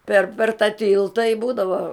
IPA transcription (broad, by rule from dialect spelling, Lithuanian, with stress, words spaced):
pʲɛr pʲɛr tɐ ˈtʲɪlˠtɐ ɪ ˈbuːdɐʋoː